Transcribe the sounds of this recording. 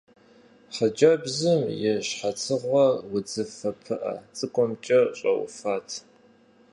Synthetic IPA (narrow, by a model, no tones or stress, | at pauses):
ħəd͡ʒɐbzɨmjɪɕħat͡sʰɨʁʷɐwʊd͡zɨfɐpʰɨʔɐ̰t͡sʼɨkʷʼɔmt͡ʃʼɐɕʼɐ̰w̰faːtʰ